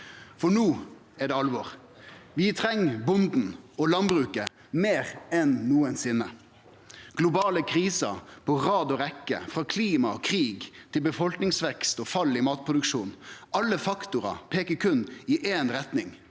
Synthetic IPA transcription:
fɔɳuː | ɛɖɛɑlʋɔʁ | ʋɪt̪ʰɾɛŋːbʊnd̪n̩ɔlɑnbɾʉːkə | meːɾɛnːuːənsɪnːə | ɡ̥lʊbɑːləkʰɾiːsɑpʰɔʁɑːd̪ɔɾɛkːə̰fʁɑːkʰliːmɑkʰɾiːɡt̪ʰɪlbəfɔlknɪŋsʋɛkst̪ɔːfɑlːɪmɑːt̪̚pʰʁʊd̪ʉkʂuːnɑlːəfɑkt̪ʊɾɑ̰pʰeːkəkʰʉnɪʔeːnɾɛt̪nɪŋ

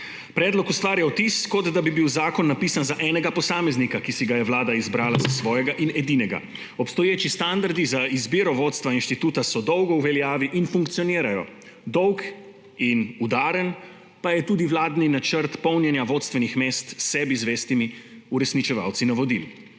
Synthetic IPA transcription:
pɾɛːd̪lɔkust̪ʋaːɾjaɔt̪iskɔd̪d̪abibiwzaːkɔnːapiːsanzaʔɛːnɛɡapɔsaːmɛznikakisiɡajɛʋlaːd̪aizbɾaːla̰zasʋɔːjɛɡaʔinɛd̪iːnɛɡa̰ | ɔpst̪ɔjeːt͡ʃist̪and̪aɾd̪izaizbiːɾɔʋoːt̪st̪ʋainʃt̪it̪uːt̪asɔd̪ɔwɡɔuʋɛljaːʋiʔinfuŋkt̪sijɔniːɾajɔ | d̪ɔwk | inud̪aːɾən | pajɛt̪uːd̪iʋlaːd̪ninat͡ʃəɾt̪pɔwnjɛnjaʋoːt̪st̪ʋɛnixmeːst̪sɛːbizʋeːst̪imi | uɾɛsnit͡ʃɛʋa̰wt̪sinaʋɔd̪ḭl

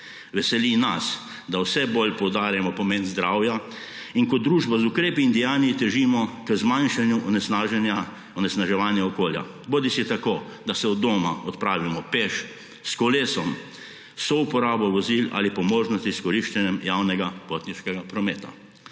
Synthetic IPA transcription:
ʋɛsɛlinas | d̪awsɛbolʲpɔwd̪aːɾjɛmɔpɔmenzd̪ɾaːwja | inkɔd̪ɾuːʒbazukɾeːpiːnd̪ijaːniit̪ɛʒimɔkəzmãnʃanjuʔɔnɛsaʒɛnja | ɔnɛsnaʒɛʋanjaɔkoːlja̰ | boːd̪isit̪akoːd̪asɛɔd̪ːoːmaɔt̪pɾaːʋimɔpeʃ | skɔleːsɔm | sɔupɔɾaːbɔʋɔzila̰lipɔmɔːʒnɔst̪iskɔɾiʃt͡ʃɛnjɛmjawnɛɡapot̪niʃkɛɡapɾɔmeːt̪a̰

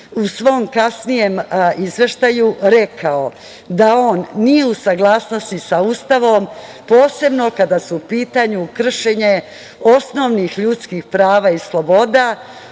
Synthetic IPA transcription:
usʋo̞mkasnije̞mizʋeʃt̪ajuɾe̞kʰao | d̪ao̞ːnːije̞usaɡlˠaːsno̞st̪isaust̪aʋo̞mpo̞ːse̞bno̞kad̪asuupiːt̪aɲukr̩ʃeɲe̞ | o̞sno̞ʋnixʎut̪skixpɾaːʋaislˠo̞bo̞d̪a

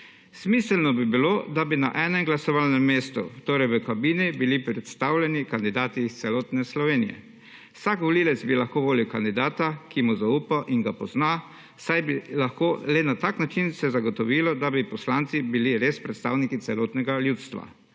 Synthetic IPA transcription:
smiːsɛlnɔbibilod̪abina̰ʔɛnɛmɡlasɔʋalnɛmːeːst̪ṵt̪oːɾɛjʋəkabiːnibilipɾɛt̪st̪awlʲɛnikand̪id̪aːt̪it̪sɛlɔːt̪nɛslɔʋeːnḭjɛ̰ | wsakʋɔliːlɛt̪zbilaxkoːʋoːliwkand̪id̪aːt̪akimuzauːpaʔiŋɡapɔzna | sajbilaxkoːlɛnat̪aknat͡ʃinsɛzaɡɔt̪ɔʋiːlɔd̪abipɔslant̪sibiliɾespɾɛt̪st̪awnikit̪sɛlɔːt̪nɛɡaljuːt̪st̪ʋa̰

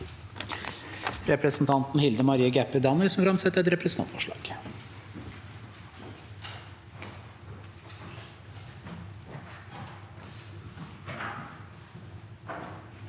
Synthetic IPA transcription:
ɾɛpɾɛsn̩t̪ʰɑnt̪n̩hɪld̪əmɑɾiːəɡæpːəd̪ɑnəɾsɔmfɾɑmsɛɛt̪ːɾɛt̪ɾɛpɾɛsnʰɑ̰t̪fɔʂɭɑ̰ːɡ̥

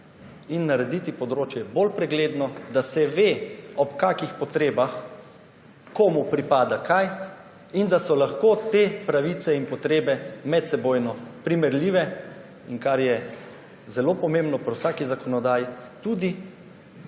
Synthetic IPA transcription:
inːaɾɛd̪it̪ipɔd̪ɾoːt͡ʃjɛbolpɾɛɡleːd̪nɔd̪asɛʋeːɔpkakixpɔt̪ɾeːbax | koːmupɾipaːd̪akʰaj | ind̪asɔlaxkoːt̪eːpɾaʋit̪sɛinpɔt̪ɾeːbɛmɛt̪sɛbojnɔpɾimɛɾliːʋɛ | iŋkaɾjɛ | zɛlopɔmembnɔpaɾwsaːkizakɔnɔd̪aːjit̪uːd̪i

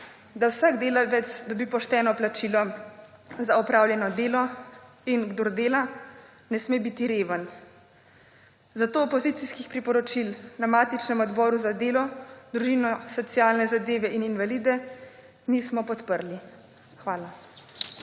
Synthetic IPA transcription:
d̪awsaɡd̪eːlaʋɛt̪sd̪ɔbipɔʃt̪ɛːnɔplat͡ʃiːlɔ | zaɔpɾaːwljɛnɔd̪eːlɔ | inɡd̪oɾd̪eːla | nɛsmeːbit̪iɾeːʋən | zat̪oːpɔziːt̪siskixpɾipɔɾɔt͡ʃilnamaːt̪it͡ʃnɛmɔd̪bɔːɾuzad̪eːlɔd̪ɾuʒiːnɔsɔt̪sijaːlnɛzad̪eːʋɛininʋaliːd̪ɛ | niːsmɔpɔt̪pəɾli | xʋaːla

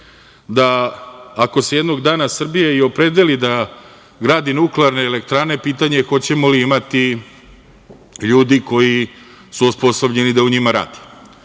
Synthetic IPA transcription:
d̪aː | ko̞sejed̪no̞ɡd̪aːnasr̩bijeio̞pɾe̞d̪elid̪a | ɡɾaːd̪inukleaɾne̞ːle̞kt̪ɾaːne̞piːt̪aɲe̞xo̞t͡ɕe̞mo̞liimat̪i | ʎuːd̪iko̞ji | suuspo̞sobʎe̞nid̪auɲimaɾa̰ːd̪i̥

